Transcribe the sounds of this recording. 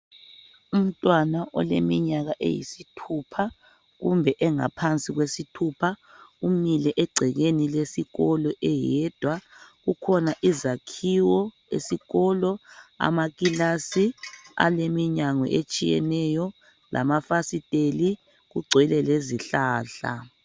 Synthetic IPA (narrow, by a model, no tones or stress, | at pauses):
um̩tʼwanaʔɔ̰lḛmiɲaɣaʔḛjḭsitʰupʰa | ɣumbʱɛʔɛŋa̰pʰant͡sʼiɣwesitʰupʰa | umilɛʔɛɡ͡ǀʱɛɣenilesiɣɔlɔʔɛjɛːd̥ʱwaɣukʰɔnaʔizakʰiwɔ | ḛsiɣɔlɔa̰maɣʼilasia̰lemiɲaŋwɛ̰ʔet͡ʃʼijɛ̰nɛjɔ | lʔa̰mafasitʼeli | ɣuɡ͡ǀʱwɛlɛleziɬaːɬa̰